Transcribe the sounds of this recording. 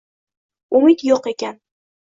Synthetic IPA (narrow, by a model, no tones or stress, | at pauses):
ʊmɪt̪joqe̞kʲʰan